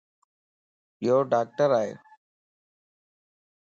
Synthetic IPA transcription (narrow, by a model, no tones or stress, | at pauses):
ɪjoːɖaːk̚ʈəɾaːɦḛː